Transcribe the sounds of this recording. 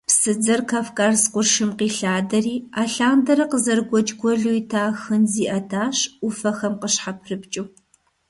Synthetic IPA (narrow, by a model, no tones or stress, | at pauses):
psɨd͡zɐrkʰafkʼaːrsqʷʊʃɨmqiːɬaːdɐriːaːɬaːndɐɾɐqəzɐrɡʷɔd͡ʒɡʷɔɮuːitʰaːxɨnziːʔɐtʰaːɕʊfɐxɐmqəɕħapʰrɨpt͡ʃʼɪw